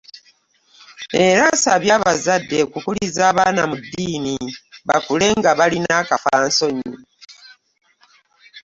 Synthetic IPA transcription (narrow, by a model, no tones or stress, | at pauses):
e̞ɾasaβjaːβazadːe̞kukulizaːβaːnamudːiːniβa̰kule̞ŋɡaβalinaːkafaːnso̞ɲi